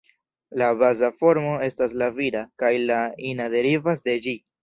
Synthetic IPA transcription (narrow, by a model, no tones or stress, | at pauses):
labazafo̞ɾmo̞e̞staslavidakajlainade̞ɾivas̬de̞d͡ʒi